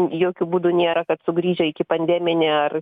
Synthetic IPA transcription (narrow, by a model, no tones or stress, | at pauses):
joːkʲʊbuːd̪ʊnʲeːɾɐkɐt̪sʊɡɾʲiːʒʲɛɪkʲɪpɐnʲd̪ʲæːmʲɪnʲɛɐr